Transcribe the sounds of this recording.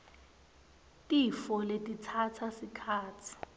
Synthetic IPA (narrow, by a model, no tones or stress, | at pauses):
tʼifɔletʼitʰatʰasikʰaːt͡sʰi̥